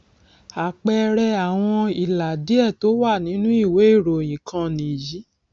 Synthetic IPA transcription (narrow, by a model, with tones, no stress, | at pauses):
a˨k͡pɛ˧ɾɛ˧a˨w̃ɔ̃˧i˨la˨di˨˦ɛ˦˨to˨˦wa˦˨nĩ˨˦nũ˦i˦˨we˨˦i˦˨ɾo˨j̃ĩ˨kʰã˧nĩ˨ji˨˦